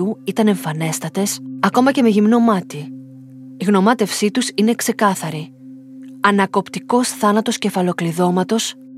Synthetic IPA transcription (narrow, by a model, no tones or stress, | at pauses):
uit̪ɐne̞ɱfɐne̞st̪ɐt̪e̞sɐko̞mɐce̞me̞ʝimnomɐt̪i | iɣno̞mɐt̪e̞fsit̪usine̞kse̞kɐθɐɾi | ɐnɐko̞pt̪iko̞sθɐnɐt̪o̞sce̞fɐlo̞kliðo̞mɐt̪o̞s